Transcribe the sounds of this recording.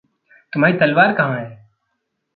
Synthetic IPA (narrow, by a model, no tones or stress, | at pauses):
t̪ʊm̤aːɾit̪ɐlʋaːɾkɐɦãɦɛː